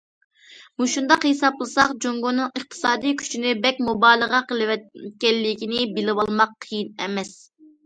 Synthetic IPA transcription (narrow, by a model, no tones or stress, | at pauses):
muʃund̪ɑqhesɑplˠɨsɑqd͡ʒoŋɡonɨŋəχt̪ʰɨ̥sɑːd̪ijkʲʰy̥t͡ʃʰinɪbɛkʲmubɑːlˠəʁɑqʰəlˠɨwɛkʲɛlːɪkʲinɪbɪlɪwɑlˠmɑqʰːɨjinɛmɛs